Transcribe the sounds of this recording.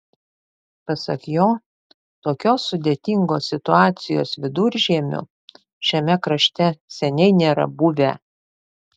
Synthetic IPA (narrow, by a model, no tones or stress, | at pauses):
pɐsɐ̰kjoː | t̪oːkʲoːsʊd̪ʲeːt̪ʲiˑŋɡoːsʲɪt̪ʊɑːt̪sʲɪjo̰ːsʋʲɪd̪ʊːɾʲʒʲiɛmʲʊ̰ | ʃʲɛmʲɛkɾɐʃʲt̪ʲɛsʲɛnʲɛɪnʲeːɾɐ̰bʊʋʲɛ̰